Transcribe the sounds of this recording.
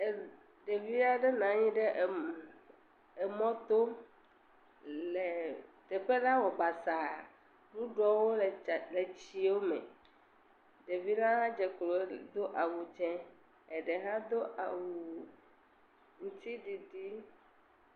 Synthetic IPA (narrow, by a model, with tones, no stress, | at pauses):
ɖe˨vi˦a˦ɖɛ˦nã˨ɲĩ˦ɖe˦˨ | ɛ˨mɔ̃˦t̪o˦ | le˨t̪ɛ˨ɸe˦la˦wɔ˨ba˨sa˨ | ɖu˦ɖɔ˦wo˦lle˨t͡ɕi˨wo˦mɛ̰̃˨ | ɖe˨vi˦la˦a˦d͡ʒɛ˨klo˨˦d̪o˦ʔa˨wu˨d͡ʒɛ̃˦ | e˨ɖɛ˨ɦa˦d̪o˦ʔa˨wu˨ | ŋu˨t̪i˦ɖi˨ɖi˦